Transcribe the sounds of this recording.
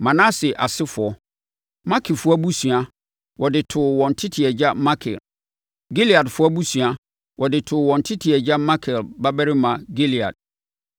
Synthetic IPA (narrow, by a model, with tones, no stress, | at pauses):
mã˨nã˦sɛ˨ʔa˨sɪ˦fʊ˨ɔ˨ | mã˦kʰɪ˨fʊ˦a˦bu˦sɥa˦ | wʔɔ˨dɪ˨tʰʊ˨wɔ̃˨n̩˨tʰɪ˦tʰɪ˨ɛ˨d͡ʑa˦mã˦kʰɪ̰˨l | ɡe˦li˨a˨dfʊ˦a˦bu˦sɥa˦ | wɔ˨dɪ˨tʰʊ˨wɔ̃˨n̩˨tʰɪ˦tʰɪ˨ɛ˨d͡ʑa˦mã˦kʰɪ˨lba˦bɛ˦ɾɪ˦mã˨ɡe˦li˨a̰˨d̚